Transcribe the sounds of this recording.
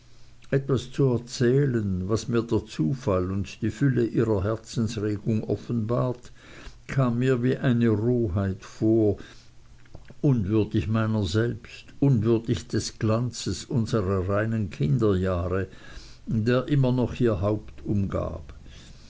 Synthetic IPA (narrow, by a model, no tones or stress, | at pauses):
ʔɛtv̥ast͡suɛɐt͡sɛːlənvasmiːɐdeːɐt͡suːfalʊntd̥iːfʏləʔiːʁɐɦɛɐt͡sn̩sʁeːɡ̥ʊŋʔɔ̰fənbaːɐt | kʰaːmːiːɐviːʔaɪnəʁoːɦaɪtfoːɐ | ʔʊnvʏɐdɪçmaɪnɐzɛlpstʔʊnvʏɐdɪçd̥ɛsɡ̥lant͡səsʊnz̥əʁɐʁaɪnənkʰɪndɐjaːʁə | deːɐʔɪmɐnɔχiːɐɦaʊptʰʊmɡa̰ːp